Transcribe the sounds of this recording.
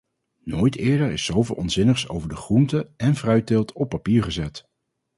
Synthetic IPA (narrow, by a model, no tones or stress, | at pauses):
noːjtɪːɹdəɹɪsowvɪ̰ːlˠɔnzɪnəχso̰wvəɹdəχruntəɛnvrœɥt̚ɪlˠtʰɔpːapiːɹχəzɛt